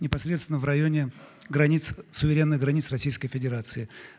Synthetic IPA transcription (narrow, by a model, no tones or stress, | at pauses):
nʲɪpɐsɾʲet̪t̪vʲɪnəvɾɐjonʲɪ | ɡɾɐnʲit̪ssʊvʲɪɾʲe̞nːɨɣɡɾɐnʲit̪srɐsʲijskəjfʲɪdʲɪɾat̪sɨɪ